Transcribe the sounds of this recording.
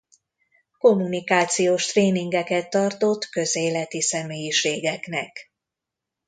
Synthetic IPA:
ko̞mːunikaːt̪sijoːʃt̪reːniŋɡɛkɛt̪ːɒrt̪o̞t̪kø̞zeːlɛt̪isɛmeːjiʃeːɡɛknɛk

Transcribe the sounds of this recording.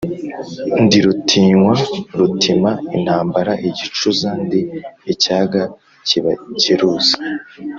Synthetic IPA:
ndiɾutʰiːŋwaɾutʰimain̥haːmbaɾaʔiɟit͡ʃuzandiicaːɡa | ciβaciɾuːzḁ

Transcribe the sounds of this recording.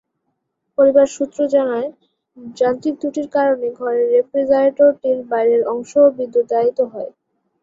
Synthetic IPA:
poɾibaɾʃut̪ːɾod͡ʑanae | d͡ʑant̪iɾt̪uʈiɾkaɾoneɡʱɔɾeɾːepɾezaɾʈoɾʈiɾbajɾeɾɔŋʃobid̪ːod̪ait̪oɦɔe

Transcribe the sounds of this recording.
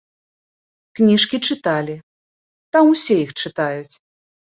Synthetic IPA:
knʲiʂkʲit͡ʂɨt̪alʲi | t̪amusʲɛjixt͡ʂɨt̪ajut͡sʲ

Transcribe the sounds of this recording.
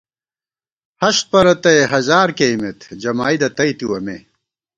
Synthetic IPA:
hɐɕt̪̚pɐɾɐt̪ɐeɦɐzaːɾkejmet̪d͡ʑɐmaːid̪ɐt̪ɐjt̪iwɐmḛ

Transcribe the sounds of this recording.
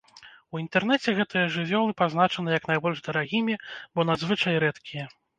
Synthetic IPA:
uint̪ɛrnɛt͡sʲɛɣɛt̪ɨjɐʐɨvʲɔlˠɨpazn̪at͡ʂɐnɨjɐknajbɔlʲʐd̪ɐɾaɣʲimʲibɔnad̪zvɨt͡ʂajɾɛt̪kʲijɛ

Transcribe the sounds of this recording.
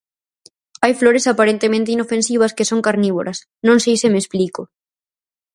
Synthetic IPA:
ajfloɾesapaɾent̪emẽnt̪inofẽnsiβ̞ɐskesoŋkaɾniβ̞o̰ɾʔɐs | nõŋsejsemeːsplikʊ

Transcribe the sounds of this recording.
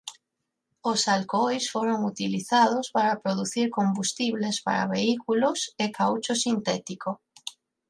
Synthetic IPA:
osalkojsfoɾoŋut̪iliθað̞ospaɾapɾoðuθiɾkombust̪iβlespa̰ɾa̰βeikulosekawt͡ʃosint̪ɛt̪iko

